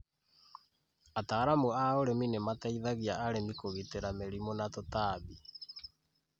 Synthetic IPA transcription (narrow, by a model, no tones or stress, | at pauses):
ataɾamuaoɾeminemataiðaɣiaaɾenikoɣiteɾameɾimonatotaːβi